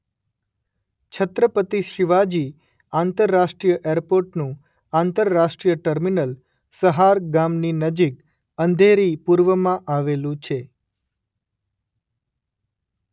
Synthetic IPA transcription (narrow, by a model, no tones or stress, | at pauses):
t͡ʃʰət̪ɾəpət̪iʃiʋad͡ʒi | ant̪əɾːaʃʈɾijəʔeɾpoɾʈnũ | ãnt̪əɾːaʃʈɾijəʈəɾminəl | səɦaɾɡamninəd͡ʒik̚ | ənd̪ʱeɾipuɾʋəmãʔaʋelũt͡ʃʰe